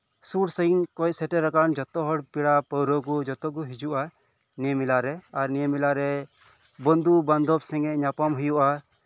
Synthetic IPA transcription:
suʈsənkɔc̚sɛʈɛɾakand͡ʒɔt̪ɔɦɔɽpiɽapəwɾɔɡud͡ʒɔt̪ɔɡuɦid͡ʒuʔa | niɛmilaɾɛaɾniɛmilaɾɛ | bɔnd̪uband̪ʱɔbsɛŋɛʔɲapamɦujuʔa

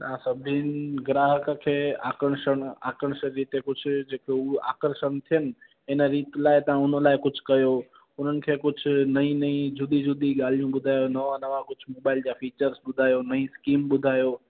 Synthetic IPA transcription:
t̪ãsɐbʱɪnɡɾaːɦəkəkʰeːa̰ːkəɽ̃ʃəɽ̃a̰ːkəɽ̃ʃəɾiːt̪ekʊd͡ʑʱʊd͡ʑeːkʰeua̰ːkəɾʃəñt̪ʰijənɪ̆ | ɪnəɾiːt̪laːɪt̪ɐʋ̤ãʊnəlaːɪkʊd͡ʑʱʊkɐjoː | ʊn̤ənɪ̆kʰeːkʊd͡ʑʱʊ̆nɐĩnɐĩd͡ʑʱʊd̪id͡ʑʱʊd̪iɠaːl̤ijũɓʊd̪ʱaːjonɐʋãnɐʋakʊd͡ʑʱʊmoːɓaːɪld͡ʑaːfiːt͡ɕəɾsɓʊd̪ʱaːjonɐĩskiːmɓʊd̪ʱaːjoː

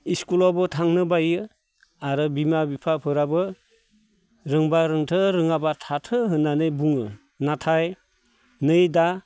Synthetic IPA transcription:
iskulɔbɯtʰaŋnɯbajɯ | aɾɯbimabipʰapʰɯɾabɯ | ɾɯŋbaɾɯŋtʰɯɾɯŋabatʰatʰɯɦɯnːanɯjbuŋɯ | natʰaj | nɯjda

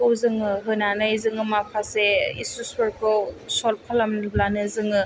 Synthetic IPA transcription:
ɯwzɯŋɯɦɯnanajzɯŋɯmapʰaseisuspɯɾkʰɯwsolpʰalamublanɯzɯŋɯ

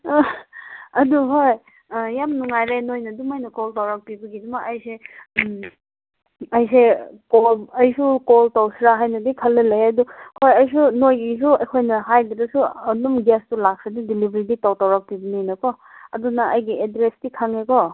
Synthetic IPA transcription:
ɐduɦoj | jamnuŋajɾenojnɐdumajnɐkoltawɾak̚pibɐɡidumaʔɐjsem | ɐjsekolɐjsukoltawsɾaɦajnɐdikʰɐlːɐlejɐdukʰojɐjs̬unojɡis̬uɐjkʰojnɐɦajdiɾɐsuɐdumɡestulak̚sadidilibʱɾiditawtawɾak̚pibɐnijnɐkɔ | ɐdunɐɐjɡiedɾesdikʰaŋekɔ

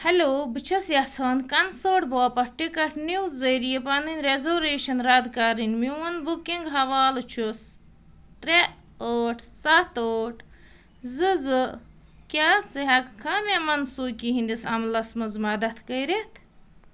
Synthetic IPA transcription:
hɐloːbɨt͡ʃʰɐsjɐt͡sʰaːnkɐnsoːʈ̚boːpɐʈikɐʈʰniwzːɐɾijepɐnɨnʲɾezoːɾeːʃɐnɾad̪kaɾinmiwɐnbukiŋɡɦɐʋaːlɨt͡ʃʰus | t̪ɾe | oːʈʰsɐt̪oːʈʰ | zɨzɨ | kʲat͡sɨɦɐkkʰɐːmʲamɐnsuːkiɦĩnd̪isɐmlɐsmɐzmɐd̪ɐt̪ʰkəjɾet̪ʰ

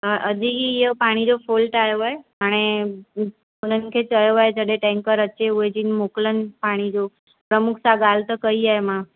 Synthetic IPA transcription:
əəd͡ʒiɦieopaɽ̃id͡ʒofʰolʈajoɦoeəɽ̃e | ponənkʰet͡ʃəjoɦaed͡ʒəɽeʈɛ̃ŋkəɾəːʃeued͡ʒinmoklənpaɽ̃id͡ʒo | pɾəmukʰsaɡalt̪əkəiaemã

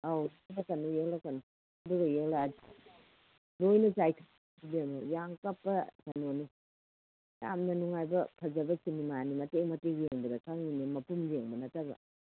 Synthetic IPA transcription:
awjelakɐnujelakanu | ɐduɡɐjelai | dojnɐzajtʰa | biamɐjaŋkɐpːɐsanoni | ja̰mnɐnuŋajbɐpʰɐzɐbɐkʰinimanimɐtemɐteɡjeŋbɐdɐkʰaŋinimɐpumd͡ʒeŋbɐnɐtɐbɐ̰

